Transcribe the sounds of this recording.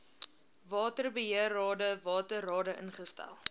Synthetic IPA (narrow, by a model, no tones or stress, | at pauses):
vɑːtərbəɦiərɑːdəvɑːtərɑːdəʔə̰nχəstæ̰lˠ